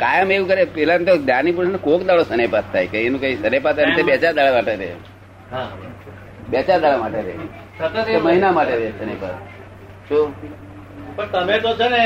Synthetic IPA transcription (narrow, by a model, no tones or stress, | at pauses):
kajəmeʋũkəɾepɛlant̪od̪janip̬uɾsnekokd̪aɭosənepat̪ʰːajkəienũkaisənepat̪ːant̪ebɛt͡ʃad̪aɭamaʈeɾḛ | ɦa | bɛt͡ʃad̪aɭamaʈeɾḛ | oməɦinamaʈeɾesənepat̪ | ʃu | pəɳt̪əmet̪od͡ʒəne